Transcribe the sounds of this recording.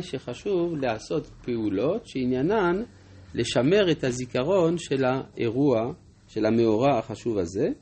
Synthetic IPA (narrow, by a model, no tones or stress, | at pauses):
ʃe̞χaʃuvleaso̞t̪peulo̞tʃeinjanan | le̞ʃame̞ʁethazikaʁo̞nʃelaeʁua | ʃe̞lameoʁaaχaʃuvaze̞